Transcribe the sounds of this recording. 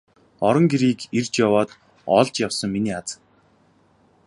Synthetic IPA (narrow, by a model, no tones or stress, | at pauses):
ɔɾɞ̆ŋɡiɾiːkirt͡ɕjawɔːt̪ | ɔɮt͡ɕjawsə̆ŋminiːat͡s